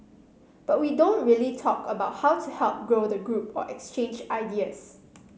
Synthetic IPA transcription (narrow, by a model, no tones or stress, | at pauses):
b̥at̚widõnɹiəlitʰɔkəbaʊt̚haʊtʰuhɛlˠp̚ɡɹodəɡɹupɔ̰ʔɛkst͡ʃẽnd͡ʒaɪdiəs